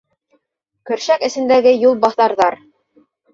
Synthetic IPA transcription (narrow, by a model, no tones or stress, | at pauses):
kɵ̆ɾʃækɘ̆sɘ̆nd̪æɡɘjulˠbɑθɑɾðɑɾ